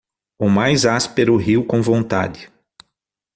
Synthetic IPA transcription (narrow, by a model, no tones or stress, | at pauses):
ʊmajzaspeɾʊɦiwkõw̃võnt̪a̰d̪ɪ